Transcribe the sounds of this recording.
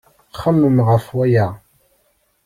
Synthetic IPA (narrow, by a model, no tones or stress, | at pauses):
χəmːəmʁəfwæja